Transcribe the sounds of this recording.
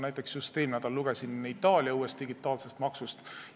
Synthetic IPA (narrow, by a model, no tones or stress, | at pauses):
næjt̪ːˑe̞ksjust̪eːlnæd̪̥ɑlːuɡ̥esinit̪ːˑɑːlʲiɑuːe̞st̪d̥̪iɡ̥it̪ːˑɑːlse̞st̪mɑksust̪